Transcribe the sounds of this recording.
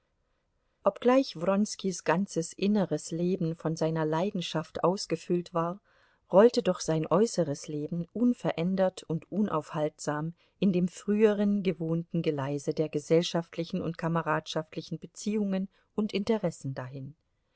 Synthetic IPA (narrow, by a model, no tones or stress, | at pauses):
ʔɔpɡ̥laɪçvʁɔnskisɡ̥ant͡səsʔɪnəʁəsleːbn̩fɔnzaɪnɐlaɪdn̩ʃaftʔaʊsɡ̥əfʏltv̥aːɐ | ʁɔltədɔχz̥aɪnʔɔʏsəʁəsleːbn̩ʔʊnfɛɐʔɛndɐtʰʊntʔʊnʔa̰ʊfhaltz̥aːm | ʔɪndeːmfʁ̥yːəʁənɡəvoːntn̩ɡəlaɪzədeːɐɡəzɛlʃaftʰlɪçn̩ʊ̰ntkʰaməʁaːtʃaftʰlɪçn̩bət͡siːʊŋən | ʔʊntʔɪntəʁɛsn̩daɦɪn